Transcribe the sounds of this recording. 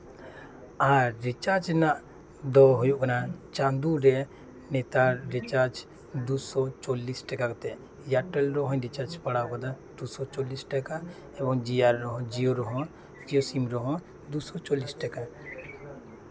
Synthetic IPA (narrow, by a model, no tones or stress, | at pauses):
aɾːit͡ʃaɾd͡ʒnaʔ | d̪ɔɦɔjuʔkanat͡ʃãnd̪uɾɛ | nɛt̪aɾit͡ʃaɾd͡ʒ | d̪usɔt͡ʃɔlːisʈɛkakɔt̪ɛ | jaʈɛlɾɔɦɔ̃ɾit͡ʃaɾd͡ʒpaɽakɔd̪a | d̪usɔt͡ʃɔlisʈɛka | ɛbɔŋd͡ʒiaɾːɔɦɔ̃d͡ʒioɾɔɦɔ̃ | d͡ʒiosimɾɔɦɔ̃ | d̪usɔt͡ʃɔlisʈɛka